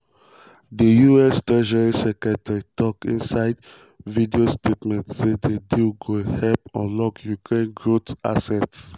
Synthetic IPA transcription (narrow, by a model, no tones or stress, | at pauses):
dəjuɛstɹɛʃɛɹisɛkɛtɛɹitɔkĩnsaɪd | vidiostʰetmɛ̃ntsedediɡohɛlpɔ̃nlɔkjukɹẽnɡɹota̰sɛts